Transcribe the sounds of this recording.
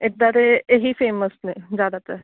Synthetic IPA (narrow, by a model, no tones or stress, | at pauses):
ɪd̪aɾeeɦifʰeːməsned͡ʒaːd̪at̪ɛ